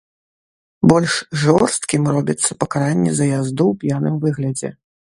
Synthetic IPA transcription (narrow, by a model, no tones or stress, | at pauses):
bɔlʲʂʐɔrst̪kʲimrɔbʲit̪sːɐpɐkaɾanʲːɛ̰zɐjazd̪uwpʲjanɨmvɨɣlʲɐd͡zʲɛ̰